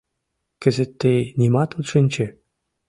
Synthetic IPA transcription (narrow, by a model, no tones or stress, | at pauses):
kɘ̆zɘ̆t̪ːejnʲimɑt̪ut̪ʂɘnʲt͡ɕɘ̆